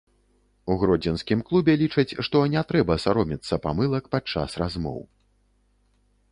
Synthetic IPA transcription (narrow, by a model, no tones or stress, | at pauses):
uɣɾɔd͡zʲɛnskʲimklˠubʲɛlʲit͡ʂɐt͡sʲʂt̪ɔnʲɛt̪ɾɛbɐsaɾɔmʲit̪sːɐpa̰mɨlˠɐkpat͡ʂːa̰srazmɔ̰w